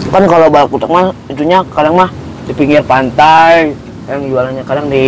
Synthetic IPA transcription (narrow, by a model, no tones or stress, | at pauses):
kankalobalak̚utak̚mahiduɲakadaŋmah | dipiŋɪrpant̪aj | jaŋd͡ʒualanɲakadaŋdi